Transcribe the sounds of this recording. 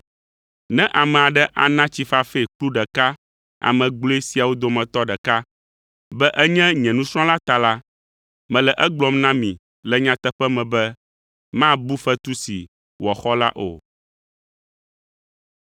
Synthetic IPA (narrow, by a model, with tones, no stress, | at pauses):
nɛ̃˦ʔa˨mɛ̃˨a˨ɖɛ˦ʔa̰˨nã˦t͡ɕi˨fa˦fe˦˨k͡plu˦ɖɛ˨ka˦ | a̰˨mɛ̃˨ɡ͡blo˦e˦si˨a˨wo˦d̪o˨mɛ̃˨t̪ɔ˦ɖɛ˨ka˦ | bɛ˦ʔɛ˦ɲɛ̃˦ɲɛ̃˨nũ˦sɾ̃ɔ̃˦la˦t̪a˨la˦ | mɛ̃˨lɛ˨ʔɛ˦ɡ͡blɔ˨mnã˦mĩ˨ | lɛ˨ɲã˦t̪ɛ˦ɸɛ˦mɛ̃˨bɛ˦ | mã˦bu˦fɛ˦t̪u˦sḭ˨ | wɔ˨xɔ˦la̰˦ʔo̰˨